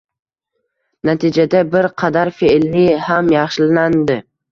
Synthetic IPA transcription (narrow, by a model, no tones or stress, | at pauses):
nat̪ʰid͡ʒad̪abɪɾqʰɑd̪aɾfeʔlnɪhamjɑχʃɪland̪ɪ